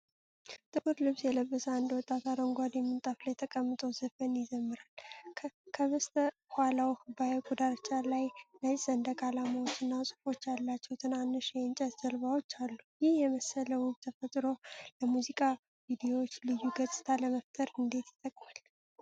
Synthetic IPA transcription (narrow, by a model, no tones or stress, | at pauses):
t̪ʼɨʔɨɾlɨβsjɛləbːəsəand̪wɔt̪ʼːat̪ʰaɾoŋɡʷad̪ɛmːɨnt̪ʼaflajt̪ʰəkʼəmːɨt̪ʼowzɨfənjɪzəmːɨɾalʰ | kʰəβəst̪ʰə | hʷalawhɨbajewkʼud̪aɾt͡ʃʼːalajləjʼzəɨnd̪əkalamawot͡ʃːɨnːasʼɨ̥fo̞t͡ʃːalːat͡ʃːɛwt̪ʰɨnanːɨʃjɛɨnt͡ʃʼɛt̪z̥əlβawot͡ʃːalːujɪhjɛməsələwʊβt̪ʰəfət̪ʼɾo̞ləmuzikʼa | vid̪ijo̞wot͡ʃːlɨjːuɡət͡sʼɨ̥t̪ʰaləməft̪ʰəɾɨnd̪e̞t̪jɪt̪ʼːəkʼmal